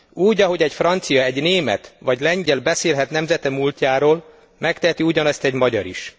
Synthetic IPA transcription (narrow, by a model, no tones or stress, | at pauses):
uːɟɒɦo̞ɟɛcfrɒnt̪sijɒɛɟneːmɛ̰t̪ʋɒɟlɛɲɟɛlbɛseːlɦɛt̪nɛmzɛt̪ɛmulcaːɾoːl | mɛkt̪ɛɦɛt̪iuɟɒnɒst̪ɛɟmɒɟɒɾḭʃ